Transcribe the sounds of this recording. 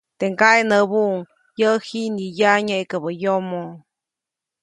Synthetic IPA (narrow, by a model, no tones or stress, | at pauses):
t̪eŋkaenəβuʔŋ | jəhinijaɲaikəbəjomo